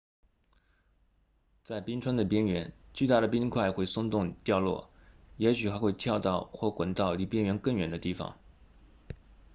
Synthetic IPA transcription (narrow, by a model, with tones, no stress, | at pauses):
t͡sa˥˩ɪpi˥nʈ͡ʂʰwə˥nd̪ə˨˩pjɛ˥nɥɛ˧˥nt͡ɕy˥˧t̪a˥˩ɾə˩pi˥nkʰwa˥˧ɪxwe˥˩ɪsʊ˥˧ŋt̪ʊ˥˧ŋt̪jɑ˥˧ʊlwɔ̰˥˩jɛ˧˥ɕy˨˩xa˧˥ɪxwe˥˧ɪt̪ʰjɑ˥˧ʊt̪ɑ˥˩ʊxwɔ˥˩kwə˨˩nt̪ɑ˥˩ʊli˧˥˩pjɛ˥nɥɛ˧˥nkə˥˩ŋɥɛ̰˨˩nd̪ə˦t̪i˥˩fɑ̰˨˩˦ŋ